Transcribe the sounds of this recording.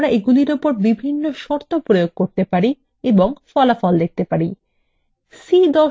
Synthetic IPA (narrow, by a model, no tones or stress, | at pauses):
ɾaʔeɡuliɾopoɾbibʱinːoʃɔɾt̪ʰopɾojoɡ̚koɾt̪epaɾi | eboŋfɔlafɔld̪ek̚t̪epaɾi | sid̪ɔ